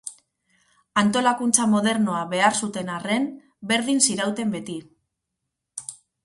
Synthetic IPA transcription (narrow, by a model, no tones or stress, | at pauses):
ant̪o̞lakunt͡samo̞ð̞e̞ɾnoaβe̞aɾsut̪e̞nare̞m | be̞ɾðinsiɾawt̪e̞mbe̞t̪i